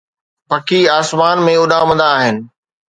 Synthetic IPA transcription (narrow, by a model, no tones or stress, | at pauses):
pɐkiaːsmaːnmẽʊɗamɐ̃nd̪aːɦɪnɪ̆